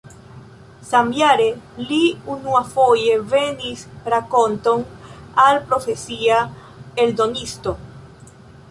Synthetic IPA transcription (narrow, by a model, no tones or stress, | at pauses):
sambjaɾeliunuafojevenispɾakont̪oŋalpɾofesia | eld̪onist̪o